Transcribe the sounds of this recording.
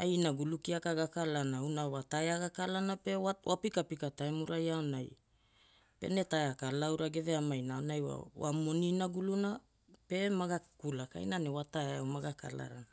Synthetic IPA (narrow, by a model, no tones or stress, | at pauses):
ajnaɡulukiakaɡakalanaunawataeaɡakalanape̞awʔa̰pikapikataemuɾajaonaj | pe̞̰ne̞taeakalawɾaɡe̞veamajnaaonajwa̰wa̰mo̞ninaɡuluna | pe̞maɡakulaka̰jnanewataeomaɡaka̰la̰ɾa̰na